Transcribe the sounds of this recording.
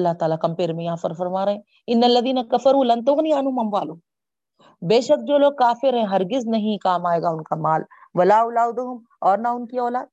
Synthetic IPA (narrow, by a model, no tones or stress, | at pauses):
ɐlːaɦt̪aːlakɐ̃mpeːɾmẽjɐɦãfɐɾfɐɾmaːɾɐɦẽː | ɪnːɐlːɐðiːnɐkɐfɐɾuːlɐ̃nt̪̬ʊɣniaːnɦʊmɐmʋaːlʊ | beːʃɐk̚d͡ʒoːloːɡ̚kaːfɪɾɦɛ̃ːɦɐɾɡɪznɐɦĩkaːmaːeːɡaʊnkamaːl | ʋɐlaːʊlaːwd̪ʊɦʊm | ɔːɾnɐʊnkiɔːlaːd̪̚